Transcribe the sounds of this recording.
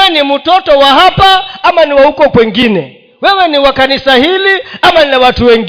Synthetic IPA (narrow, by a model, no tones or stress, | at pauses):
ɛnimutɔtɔwaɦapaamaniwahukɔkwɛŋɡinɛ | wɛwɛniwakanisahiliamanilawatuwɛŋɡ